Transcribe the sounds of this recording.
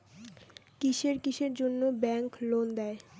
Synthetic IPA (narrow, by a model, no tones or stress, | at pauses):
kiʃeɾkiʃeɾd͡ʑonːobɛŋklond̪ɛe